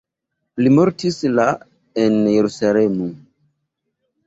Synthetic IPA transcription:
limoɾtisla | enjeɾusalemu

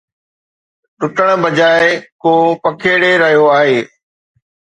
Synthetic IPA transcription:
ʈʊʈəɽ̃bʱɐd͡ʑaːɪkoːpɐkʰeːɽeɾɐɦijoaːɦeː

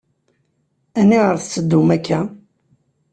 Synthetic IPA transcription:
æniʁəɾθət͡sːəd̪ːumækːæ

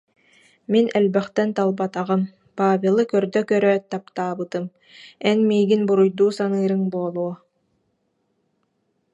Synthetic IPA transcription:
minɛlbɛχt̪ɛnt̪alˠbat̪aʁɯm | paːβʲɛlˠɯkœɾd̪œkœɾœːt̪ːapt̪aːbɯt̪ɯm | ɛnmiːɡinbuɾujd̪uːsanɯːɾɯŋbuɔlˠuɔ

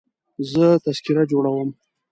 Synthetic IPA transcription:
zət̪askiɾad͡ʒoɽawəm

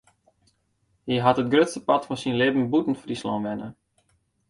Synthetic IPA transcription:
hiɦatɦət̚ɡrøtstəpatfɔnsinlɪbn̩butn̩frislɔ̰nʋɛnə̰

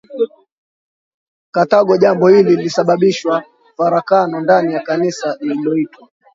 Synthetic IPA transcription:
kataɡɔʄambɔhililisaɓaɓiʃwa | faɾakanɔndanijakanisalililɔhitwa

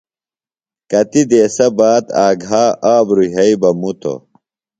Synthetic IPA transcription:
kɐt̪id̪eːsɐbaːt̪aːɡʱaːʔaːbɾuɦɐibɐmut̪ʰo̰

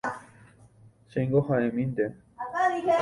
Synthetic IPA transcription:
seŋɡoxaemĩnt̪e

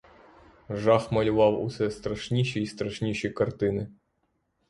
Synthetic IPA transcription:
ʒɑxmɐlʲʊʋɑwʊsɛst̪ɾɐʃnʲiʃʲiist̪ɾɐʃnʲiʃikɐrt̪ɪnɪ

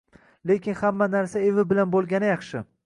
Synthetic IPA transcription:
le̞kʲɪnhamːanaɾsae̞vɪbɪlanbolˠɡʲanɪjɑχʃɪ

